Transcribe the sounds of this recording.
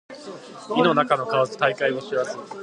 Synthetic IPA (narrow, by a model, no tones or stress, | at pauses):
ɡʲino̞nakano̞kaozɨ̥t̪aikaioɕiβazɨ